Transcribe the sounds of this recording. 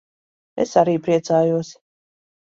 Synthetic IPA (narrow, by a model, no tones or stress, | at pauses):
ɛ̰saɾiːpɾiɛt̪saːjuɔsi̥